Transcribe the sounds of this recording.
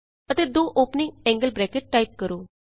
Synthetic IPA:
ət̪eːd̪oːʔoːpnɪ̃ŋɡɛ̃ːŋɡəlbɾɛːkeʈ̚ːaːip̚kəɾoː

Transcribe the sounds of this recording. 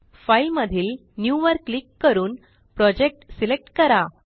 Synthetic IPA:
failməd̪ʱiːl | njuʋəɾklikːəɾuːn | pɾɔd͡ʑek̚ʈsilek̚ʈkəɾa

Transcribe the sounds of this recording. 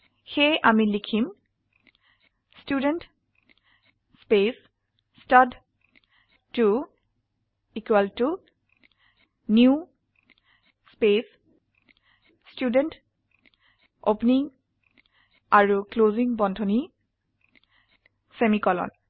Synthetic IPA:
xejʔamilikʰim | student | spes | stad | tu | ikwaltu | nju | spes | student | opniŋ | aɹukloziŋbɔndʱɔni | semikɔlɔ̰n

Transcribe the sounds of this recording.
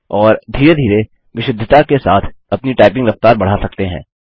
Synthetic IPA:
ɔːɾd̪ʱiːɾed̪ʱiːɾe | ʋɪʃɪd̪ʱːət̪akesa̰ːt̪ʰɐpniʈaːɪp̬ɪ̃ŋɡɾɐft̪aːɾbɐɽ̤asɐk̚t̪eɦɛ̃ː

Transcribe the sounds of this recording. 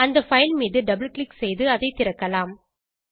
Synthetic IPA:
ɐnd̪ɐfɐjlmiːðɯɖɐbɪlklɪksɛjðɯɐðɐɪt̪ɪɾɐkːɐlaːm

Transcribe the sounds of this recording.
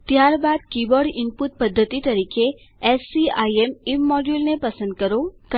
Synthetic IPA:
t̪jaɾbad̪̚kibəɽɪmput̪̚pəd̪ʱːət̪it̪əɾikʰe | ɛsiaiemimːɔɖjulnepəsə̃nd̪̚kəɾokə

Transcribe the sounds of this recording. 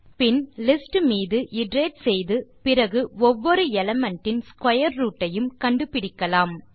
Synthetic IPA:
pɪnlɪsʈmiːðɯʔɪɖɾeːʈsɛjðɯpɪɾɐɣɯɔʋːɔɾɯɛlɐmɛɳʈːɪnskwɐjɐɾːuːʈːɐjɯmkɐɳɖɯpɪɽɪkːɐlaːm

